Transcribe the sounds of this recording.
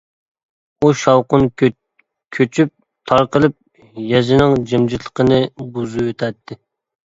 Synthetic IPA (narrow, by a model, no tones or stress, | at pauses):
uʃɑwqʊn | kʲʰøt͡ʃʰyp̚ | t̪ʰɑɾqəlˠɨp̚ | jɛzɪnɪŋd͡ʒɪmd͡ʒit̪ʰlˠə̥qənɨbuzuøt̪ʰɛt̪ʰːɪ